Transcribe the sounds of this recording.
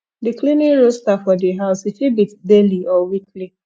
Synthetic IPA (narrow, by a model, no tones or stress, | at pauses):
dɪkliniɾostafɔdɪɦaʊsit͡ʃibitdeliʔɔwikli